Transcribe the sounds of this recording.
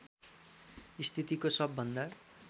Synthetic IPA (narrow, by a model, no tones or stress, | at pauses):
ist̪ʰit̪ikosʌbːʌnd̪ʌ